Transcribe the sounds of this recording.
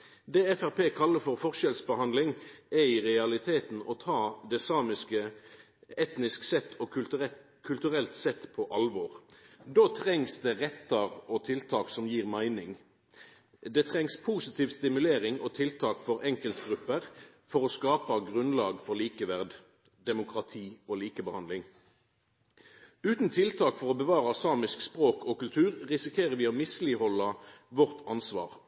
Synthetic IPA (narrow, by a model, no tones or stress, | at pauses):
d̪ɛːɛfæʁpʰeːkʰɑlːəfɔʁfɔʁʃɛlsbəhɑnd̪lɪŋɛiːʁɛɑlɪt̪ʰeːt̪n̩ɔt̪ʰɑːd̪ɛsɑːmɪskə | ɛt̪nɪsksɛt̪ʰːɔ | kʰʉlt̪ʉʁɛlt̪sɛt̪ːpʰɔʔɑlʋɔːʁd̪oːt̪ʰʁɛŋsd̪ɛʁɛt̪ːɑʁɔt̪ʰɪlt̪ʰɑːksɔmjiːʁmæɪnɪŋ | d̪ɛt̪ʰʁɛŋspʰuːsɪt̪ʰiːʋst̪ɪmʉleːʁɪŋoːt̪ʰɪlt̪ʰɑːkfɔʁɛŋkəlt̪ɡʁʉpːəʁ | fɔʁoːskɑːpɑɡʁʉnlɑːɡfɔʁliːkəʋæʁd̪ | d̪ɛmʊkʁɑt̪ʰiːoːliːkəbəhɑnd̪lɪŋ | ʉːt̪n̩t̪ʰɪlt̪ʰɑːkfɔʁɔːbəʋɑːʁɑsɑːmɪskspʁoːkʰoːkʉlt̪ʰʉːʁʁɪsɪkʰeːʁəʋɪːoːmɪsliːhɔlːɑʋɔʁt̪ɑnsʋɑ̰ːʁ